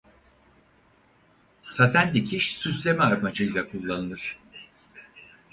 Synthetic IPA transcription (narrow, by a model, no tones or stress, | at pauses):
sat̪ʰænd̪icʰiʃsyslʲe̞mɛaɾmad͡ʒɯjlˠakʰulˠːanɯlˠɯɾ̝̥